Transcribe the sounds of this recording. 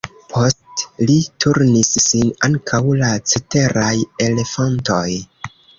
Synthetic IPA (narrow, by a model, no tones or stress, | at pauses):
pʰo̞stlitʰuɾnisːinaŋkʰawlat͡sete̞ɾaje̞le̞fanto̞j